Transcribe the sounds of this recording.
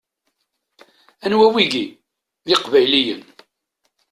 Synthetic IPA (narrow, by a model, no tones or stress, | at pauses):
ænwæwiɡi | ðɪqvæjlijən